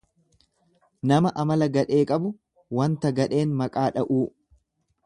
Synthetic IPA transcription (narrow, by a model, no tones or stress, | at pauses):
nɐmɐʔɐmɐlɐɡɐᶑe̞ːkʼɐbʊ | wɐnt̪ɐɡɐᶑe̞ːnmɐkʼaːᶑɐʔuː